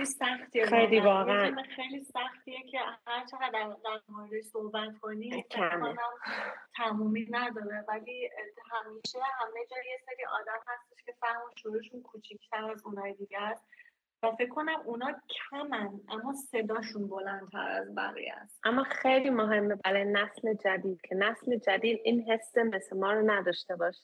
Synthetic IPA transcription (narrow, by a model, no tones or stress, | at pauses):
isæxt̪ʰieejlivɒːɣeæemexejliːsæxt̪iecʰe̞hæɾt͡ʃʰeɣæd̪ːæd̪æɾmɔɾed̪eʃsohbæt̪kʰo̞niːkʰæɔnæmt̪ʰæmuːminæd̪ɒːɾevæliːhæmiːʃe̞hæmed͡ʒɒːjeseɾiːʔɒ̰ːd̪æmhæst̪eʃcʰe̞fæhmɔʃuɾuːeʃunkʰuːt͡ʃʰicʰt̪ʰæɾæzunɒːjed̪iɟæst̪ | væfe̞kʰːo̞næmunɒːcʰæmænʔæmːɒːse̞d̪ɒːʃunbo̞lænt̪ʰæ̰ɾæ̰zbæ̰ɣḭjæ̰st̪ʔæmːɒːxejliːmoɦe̞mːebæɾɒjenæsled͡ʒæd̪iːd̪̥̚cʰe̞næsled͡ʒæd̪iːd̪ʔiːnɦe̞sːemeslemɒːɾonæd̪ɒːʃt̪e̞bɒːʃi